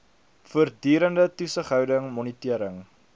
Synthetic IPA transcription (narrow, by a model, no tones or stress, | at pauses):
fuərdyːɾəndətusəχɦœwdəŋmɔnitiəɾəŋ